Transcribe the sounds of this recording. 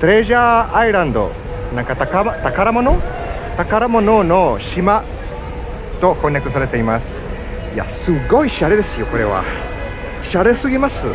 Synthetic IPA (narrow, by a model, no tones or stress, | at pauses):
t̪oɾe̞ʑaːiɾãnd̪o̞̰ | nãŋkat̪akamat̪akaɾamo̞no | t̪akaɾamo̞no̞no̞ɕima | t̪o̞hõ̞ɲ̃ːjakɯ̟s̬aɾe̞t̪e̞imasɨ̥ | ija̰sɨɡo̞iɕaɾe̞d̪e̞sɨjo̞ko̞ɾe̞βa̰ | ɕaɾe̞sɨɡʲimasɨ